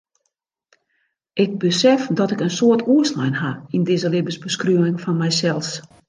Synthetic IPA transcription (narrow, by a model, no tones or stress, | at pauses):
ʔɪɡ̚bəsɛfdɔtɪkənsoərtuəsnɛjnɦaindɪzəlɪbəsbəskryəɪŋfɔnmɛjsɛlˠs